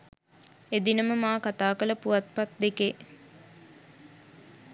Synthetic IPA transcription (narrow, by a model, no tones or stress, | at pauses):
ed̪inəməmaːkat̪aːkələpuʋat̪̚pat̪̚d̪eke